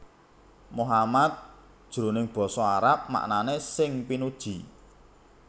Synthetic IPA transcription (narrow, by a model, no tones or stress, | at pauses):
moɦamat̪̚ | d̥ʒ̥ɾo̤nɪŋb̥ɔ̤sɔaɾap̚ma̰ʔnanesɪŋpinud̥ʒ̥i̤